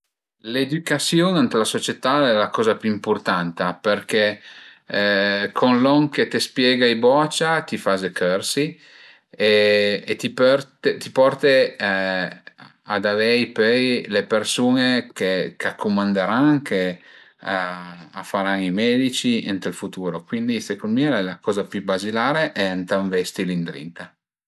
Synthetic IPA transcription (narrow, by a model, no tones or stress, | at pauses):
led̪ykasjonant̪lasot͡ʃet̪aɛlakɔːzapjyimport̪ant̪aperkɛ | kʰonlɔŋket̪espjɛɡaijbɔt͡ʃat̪ifazekʰøɾsi | eet̪ipɛɾt̪et̪ipɔrt̪e | ad̪avɛjpøjlepersuːnekekakʰːomand̪eɾaŋkʰe | aa̰fːaɾanimɛd̪it͡ʃiḛnt̪elfut̪uːɾokwind̪isekond̪milɛlakɔːzapjubazilaːɾeʔɛnt̪aɱvɛst̪ilind̪ɾḭnt̪a